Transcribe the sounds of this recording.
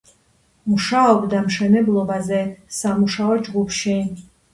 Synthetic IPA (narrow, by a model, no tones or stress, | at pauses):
muʃaɔbd̪amʃɛnɛblˠɔbazɛsamuʃaɔd͡ʒɡupʰʃi